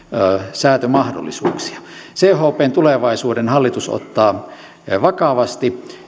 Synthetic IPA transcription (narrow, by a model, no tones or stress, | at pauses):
sæːt̪ømɑhdo̰lːisuːksi̥ɑ̥seːhoːpeːnt̪uleʋɑisuːdenhɑlːit̪uso̰t̪ːɑː | ʋɑkɑʋɑst̪i